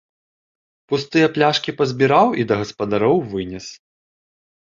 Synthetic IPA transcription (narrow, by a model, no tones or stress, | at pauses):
pust̪ɨjɐplʲaʂkʲipɐzʲbʲiɾawʔid̪ɐɣɐspɐd̪aɾɔwvɨnʲɛs